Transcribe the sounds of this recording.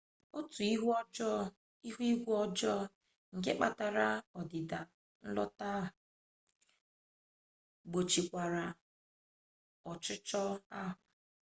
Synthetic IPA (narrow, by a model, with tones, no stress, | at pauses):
o˦tu˨i˦ɦd͡ʒɔ˦ | i˦ɦu˦i˦ɡʷu˦ɔ˦d͡ʒɔ˦ | ŋ̩˨k̬e˦k͡pa˨ta˨ɾa˦ɔ˨dɪ˨da˨ | n̩˦lɔ̰˦ta˦˨ | ɡ͡bo˨t͡ʃi˨kʷa˨ɾa˨ | ɔ˨t͡ʃʊ˦t͡ʃɔ˦a˦ɦa˨